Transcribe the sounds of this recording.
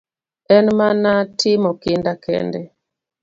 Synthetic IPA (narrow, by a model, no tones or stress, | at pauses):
ɛnmanatʰɪmɔkɪndakʰɛ̰ndɛ